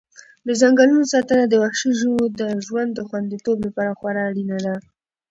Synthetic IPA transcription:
d̪əzaŋɡalunosɑt̪ənad̪əwaxʃiʒod̪əʒwand̪ːəxwand̪it̪oblapɑɾaxwaɾɑːɽinad̪a

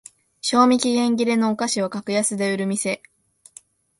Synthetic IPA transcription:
ɕo̞ːmʲikʲiɡẽ̞ŋɡʲiɾe̞no̞ːkaɕiβakakɯ̟jasɨd̪e̞ɯ̟ɾɯ̟mʲise̞

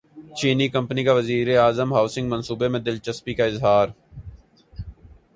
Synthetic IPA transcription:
t͡ʃiːnikə̃mpnikaʋəziːɾeaːzəmɦaːʊsɪ̃ŋɡmɐ̃nsuːbemẽd̪ɪlt͡ʃəspikaɪzɦaːɾ

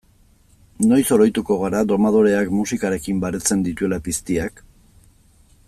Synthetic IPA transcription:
no̞jso̞ɾo̞jt̪uko̞ɣ̞aɾad̪o̞maðoɾe̞akmusikaɾe̞kimbaɾe̞t͡se̞nd̪it̪ue̞lapist̪iak

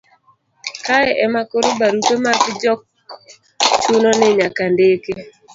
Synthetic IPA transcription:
kaɛʔɛmakoɾobaɾupemakd͡ʒɔk̚ | t͡ʃononɪɲakandeke

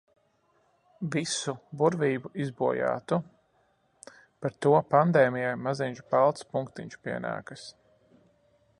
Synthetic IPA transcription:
visubuɾviːbuʔizbuɔja̰ːt̪u | paɾt̪uɔpand̪eːmijajmaziɲʲt͡ʃbalˠt̪spuŋkt̪iɲʲt͡ʃu̥piɛna̰ːkɐs

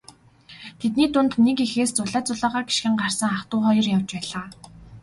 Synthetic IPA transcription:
t̪ʰet̪niːt̪ʊnt̪nekixeːst͡sʊɮaːt͡sʊɮaːʁaːɡi̥ʃɡɘ̆ŋɢar̥sə̆ŋχaχt̪ʊːχɔjɞ̆rjawt͡ɕpæːɮaː

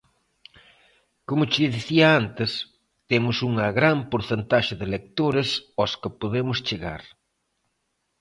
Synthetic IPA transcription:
komʊt͡ʃɪðiθiɐant̪ɪs | t̪emʊsuŋɐɣɾampoɾθent̪aʃɪðɪlek̚t̪oɾɪsɔskɪpoðemʊst͡ʃeɣa̰ɾ

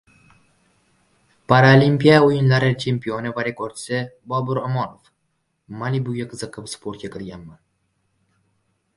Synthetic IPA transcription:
paɾalʲimʲpijaujɪnlaɾɪt͡ʃʰempionɪvaɾekoɾt̪ɪ̥sɪbɒbʊɾomɒnof | malibuɡʲaqʰɨzɨqːəpspʰoɾt̪kʲakʲʰɪɾɡʲanman

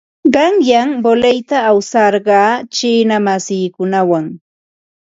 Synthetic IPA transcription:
ɢɑŋjambolejt̪aːwsɑɾɢɑːt͡ʃiːnamasiːkʊnawaŋ

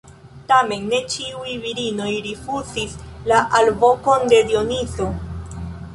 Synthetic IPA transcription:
t̪ame̞nːe̞t͡ʃiujviɾino̞jɾifusislaʔalvo̞ko̞nd̪e̞d̪io̞nizo

